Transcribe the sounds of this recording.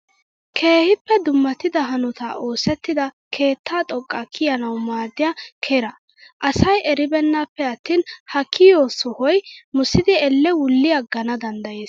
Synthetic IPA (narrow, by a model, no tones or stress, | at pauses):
kʰe̞ːhɪpːɛd̪ʊmːɐt̪ɪd̪ɐɦɐnɔt̪a̰ʔo̞ːsɛt̪ːɪd̪ɐkʰe̞ːt̪ːaːt̪ʼɔkʼːakʰɪjɐnɐwmaːd̪ːɪjakʰeɾɐ | ʔɐsɐjʔɛɾɪbɛnːapːɛɐt̪ːiːnhɐkʰːɪjoːsɔhɔjmʊsːɪd̪ɪɛlːɛwʊlːɪjɐɡɐnɐd̪ɐnd̪ɐje̞ːs